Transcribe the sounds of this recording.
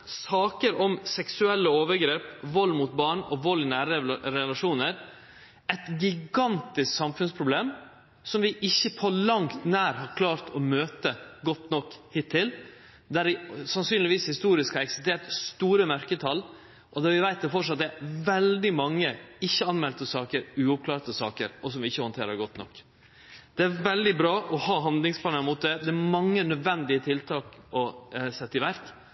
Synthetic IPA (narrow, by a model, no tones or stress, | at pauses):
sɑːkəɾɔmsɛksʉɛlːəoːʋəɾɡɾeːpʋɔlːmut̪̚bɑːɳɔʋɔlɪnæːɾəəɾɛlɑʂuːnəɾ | ɛt̪ɡɪɡɑnt̪ɪsksɑmfʉnspʰɾʊbleːm | sɔmʋɪʔɪçːəpʰɔlɑŋt̪næːɾhɑɾkʰlɑːɾt̪ʰɔmøːt̪əɡɔt̪nɔkːhɪt̪ʰːɪl | d̪æɾʋɪsɑnsyːnlɪʋiːshɪst̪uːɾɪskʰɑɾɛksɪst̪eːɾʈst̪uːɾəmœɾkət̪ʰɑlː | ʔɔd̪æɾʋɪʋæɪt̪̚d̪ɛfɔʂɑt̪̚d̪ɛæʋɛld̪ɪmɑŋːəɪçːəɑnmɛlt̪əsɑːkəɾʉːʊp̚kʰlɑːɾt̪əsɑ̰ːkə̰ɾɔsɔmʋɪɪçːəhɔnt̪ʰeːɾəɾɡɔt̪nɔ̰kː | d̪̥ɛæɾʋɛld̪ɪbɾɑːʔɔhɑːɦɑnd̪lɪŋspʰlɑːnəɾmʊt̪̚d̪ɛd̪ɛæmɑŋːənœd̪ʋɛnd̪ɪət̪ʰɪlt̪ʰɑːkɔsɛt̪ːɪʋæɾk